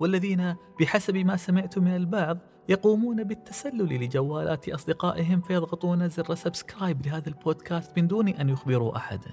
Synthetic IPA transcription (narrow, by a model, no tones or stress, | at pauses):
wɪlːaðiːnab̥ɪħasabmasamɪʕt̪ʊmɪnalbɑʕðˤ | jɑquːmuːnabɪt̪ːasalːʊlilɪd͡ʒawːaːlʔa̰ːt̪ʔɑsˤd̪ɪqaːʔɪɦɪmfajɑðˤɣɑt̪ˤuːnazɪrːasabskɾaːjblɪɦaːðalboːd̪kaːst̪mɪnd̪uːniʔanjʊxbɪɾuʔa̰ħa̰d̪a